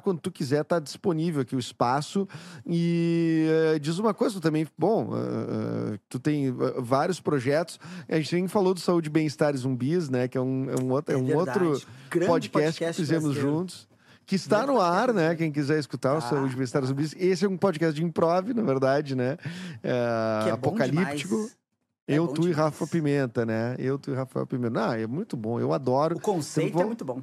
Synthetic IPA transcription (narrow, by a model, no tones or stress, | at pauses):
kwɐ̃nd̪ʊt̪ʊkizɛɾt̪aɾd͡ʒi̥sponivewakiʊɪspasʊɪ | ɛd͡ʒizũmɐkojzɐt̪ut̪ɐ̃mbẽj̃bõw̰̃ɛ̰t̪ut̪ẽj̃ɛ̰vaɾjʊspɾoʒɛt̪ʊ̥sɐʒẽt͡ʃɪt̪mẽj̃falod̪ʊsaud͡ʒɪbẽj̃ɪst̪aɾɪzũbisnɛkɪɛũɛ̰ũot̪ɛũt̪ɾʊɾpod͡ʒikɛst͡ʃɪ̥ɪfizẽmʊzʒũt̪ʊ̥s | kɪst̪anʊaɾnɛkẽj̃k̬izɛɾɪskut̪aɾʊsaud͡ʒɪbẽj̃st̪aɾɪzũbis̬esɪɛũpod͡ʒikɛst͡ʃd͡ʒɪĩpɾɔvɪnɐveɾd̪ad͡ʒɪnɛɛappõkallipt͡ʃikʊ | ewt̪uɪɦafɐpimẽnt̪ɐnɛewt̪uɪɦafaɛ̰wpimẽt̪ɐnɐ̃ɛmũj̃t̪ʊbõḛwad̪ɔɾʊõsẽẽt̪vɛ̃ũt̪ʊbõ